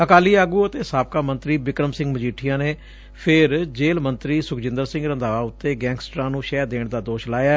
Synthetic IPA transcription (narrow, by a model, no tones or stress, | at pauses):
əkaːliːaːɡuːət̪eːsaːp̚kaːmə̃nt̪ɾiːbɪkɾəmsɪ̃ŋɡməd͡ʒiːʈʰɪjãːneː | pʰɪɾd͡ʒeːlmənt̪ɾiːsʊkd͡ʒɪ̃nd̪əɾsɪ̃ŋɡɾə̃nd̪aːʋaːʊt̪ːeːɡɛ̃ːŋɡsʈɾãːnũːʃɛːɾd̪eːɳd̪aːd̪oːʃlaːjaː